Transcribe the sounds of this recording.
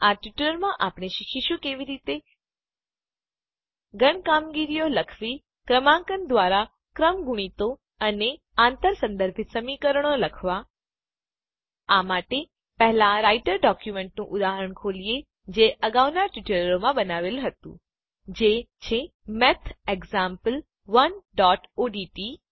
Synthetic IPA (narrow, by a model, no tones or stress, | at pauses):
aʈiʈələɾmãʔapɽ̃eʃikʰiʃũkeʋiɾit̪e | ɡəɳ̃kamɡiɾijoləkʰʋi | kɾəmãŋkənd̪ʋaɾa | kɾəmɡuɽ̃it̪o | əne | ãnt̪əɾsə̃nd̪əɾbʱit̪səmikəɾəɽ̃oləkʰʋa | aːmaːʈe | pɐɦɪlãɾaːɪʈəɾɖɔːkjumẽːɳʈnũʔʊd̪aːɦəɾəɽ̃kʰoːlije | d͡ʑeːʔɐɡaːʋnaɾʈiʈelɾomãbɐnaːʋelɦɐt̪ṵ̃ː | d͡ʑet͡ɕʰe | mɛt̪ʰeɡzãːmpəl | ʋənɖɔːʈoːɖiːʈiː